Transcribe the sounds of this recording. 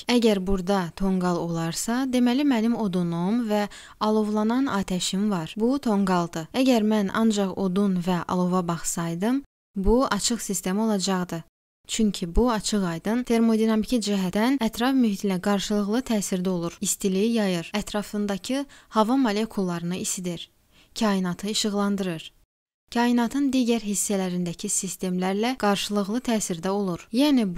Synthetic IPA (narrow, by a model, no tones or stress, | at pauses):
æɟæɾbuɾd̪ɑt̪ʰo̞ŋɡɑlˠo̞lˠɑɾsɑd̪e̞mælimænimo̞d̪onomvæ | ɑlˠo̞vlˠɑnɑnɑːt̪ʰæʃimvɑɾbut̪ʰo̞ŋɡɑlˠd̪ɯæɟæɾmænɑ̰nd͡ʒɑχo̞d̪unvæʔɑ̰lˠo̞vɑbɑχsɑjd̪ɯm | buɑt͡ʃʰɯχsist̪e̞mio̞lˠɑd͡ʒɑʁd̪ɯ | t͡ʃʰyɲcʰibuɑt͡ʃʰɯʁɑjd̪ɯnt̪ʰe̞ɾmo̞d̪inɑmicʰid͡ʒiɦæænæt̪ʰɾɑfmyɦit̪ʰinæɡɑɾʃɯlˠɯɣlˠɯt̪ʰæːsiɾd̪æo̞lˠuɾist̪ilijijɑjɯɾæt̪ʰɾɑfɯnd̪ɑcʰɯhɑvɑmolʲe̞kʰulˠːɑɾɯnɯisid̪iɾ | cʰɑːinɑt̪ʰɯiʃɯɣlˠɑnd̪ɯɾɯɾ | cʰɑːinɑt̪ʰɯnd̪iːɟæɾɦisːælæɾind̪æcʰisist̪e̞mlæɾlæɡ̥ɑɾʃɯlˠɯɣlˠɯt̪ʰæːsiɾd̪æo̞lˠuɾjæːni